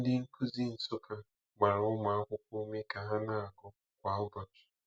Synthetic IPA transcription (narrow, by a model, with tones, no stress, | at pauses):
n̩˦dɪ˦ŋ̩˦ku˦zi˦n̩˨sʊ˦ka˦ | ma˨ɾʊ˦ma˨a˦kʷʊ˦k̚ʷu˦me˦ka˨ɦa˦na˦a˨ɡʊ˦ | kʷa˨ʊ˦bɔ˨t͡ʃi̥˨